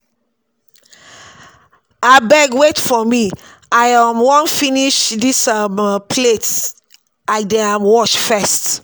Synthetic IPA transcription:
abɛɡwetfɔmi | ajamwɔ̃nfiniʃdisampʰlet | laɪk̚deãmwɔʃfɛst

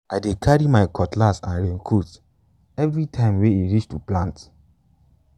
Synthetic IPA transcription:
ajdekʰaɹimaɪkɔtlasãnɹẽnkʰut | ɛvɹitʰãɪ̃mweiɹit͡ʃtuplãnt

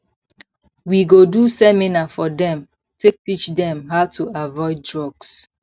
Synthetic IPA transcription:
wiɡodusɛminafɔdɛ̃m | tek̚tit͡ʃdɛ̃mɦaʊtuavɔɪd̚ːɹɔɡs

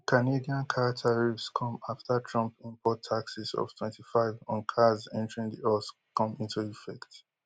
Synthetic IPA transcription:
kʰanediãnkʰatʰaɹifskʰɔ̃maftʰatʰɹɔ̃mpĩmpʰɔtʰːaksisɔ̰v̥tʰw̥ɛ̃ntʰifaɪvɔ̃nkʰazɛ̰̃ntəɹĩŋdiɔs | kɔ̃mĩntuifɛkt

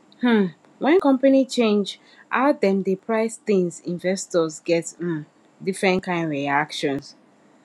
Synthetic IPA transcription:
hm̩ | wʔɛ̃nkɔ̃mpanit͡ʃẽnd͡ʒ | a̰ʊdɛ̃mdepʰɹaɪst̪ĩŋzĩnvɛstɔzɡɛt̩ | difɹɛ̃ntkãɪ̃ndɹiakʃɔ̃ns

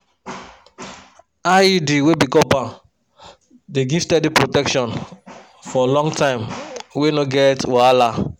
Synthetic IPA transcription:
aidiwebikɔpã | deɡiv̥stɛdipɹotɛkʃɔ̃n | fɔlɔ̃ŋɡtãɪ̃mwenoɡɛtwaala

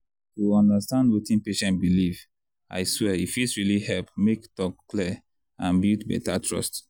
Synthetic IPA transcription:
tuɔ̃ndastãndwetĩnpeʃɛ̃nt̚biliv | a̰ɪswɛifisɹilihɛlpmektɔkːli | ãnbiltbɛ̰tatʰɹɔ̰st

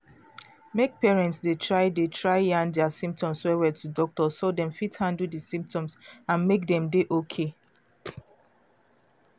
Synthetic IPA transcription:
mek̚pɛɹɛ̃ntsdetʰɹaɪdetɹaɪjãndɛasĩmp̚tɔ̃mswɛwɛtudɔk̚tɔsodɛ̃mfithãndl̩disĩmp̚tɔ̃msãnmekdɛ̃mdeʔokʰe

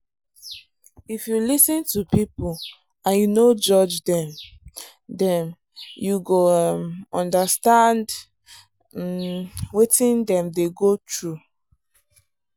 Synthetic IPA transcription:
ifjulisĩntupipo | ãnjunod͡ʒɔd͡ʒdɛ̃m | dɛ̃m | juɡomɔ̃ndastãnd | wetĩndɛ̃mdeɡotɹu

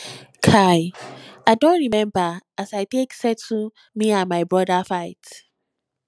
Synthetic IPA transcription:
kʰaɪaɪdõntɹimɛ̃mbaasaɪteksɛtu | miãnmaɪbɹɔdafaɪt

